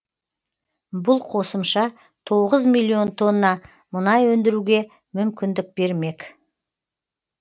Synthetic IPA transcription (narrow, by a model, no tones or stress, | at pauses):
bʊlˠqʰo̞səmʃɑ | t̪ʰo̞ʁəzmijlʲːio̞nt̪ʰo̞nːɑ | mʊnɑjwɵnd̪ɪɾuɡʲe̞ | mʏmkʲɪnd̪ɪk̚b̥e̞ɾme̞k